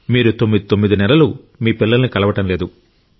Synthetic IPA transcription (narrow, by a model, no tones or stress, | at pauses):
miːɾut̪o̞mːid̪it̪omːid̪inɛlɐlu | miːpilːɐlɐnikɐlɐʋɐʈɐmle̞ːd̪u